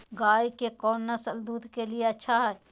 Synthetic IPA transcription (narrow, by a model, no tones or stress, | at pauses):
ɡaːjkekɔːnːɐsəld̪uːd̪kelieɐtːʃʰaɦɛɛ